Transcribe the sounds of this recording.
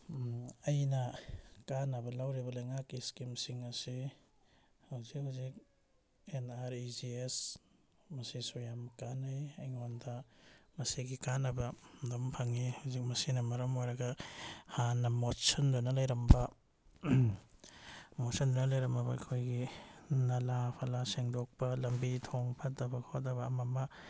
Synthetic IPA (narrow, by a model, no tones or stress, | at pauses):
ɐjnɐkanːɐbɐlawɾibɐlɐjŋakːiskimsiŋɐsi | hɐwzik̚hawzik̚ | enaɾid͡ʒies | mɐsisujamkanajɐjŋondɐmɐsiɡikanːɐbɐdɐmpʰɐŋihɐwzik̚mɐsinɐmɐɾɐmojɾɐɡɐhanːɐmotsɐndonɐlɐjɾɐmbɐ | mosɐndonɐlɐjɾɐmɐbɐɐkʰojɡinɐlapʰɐlaseŋdok̚pɐlɐmbitʰoŋpʰɐtɐbɐkʰot̚ɐβɐːmɐmɐ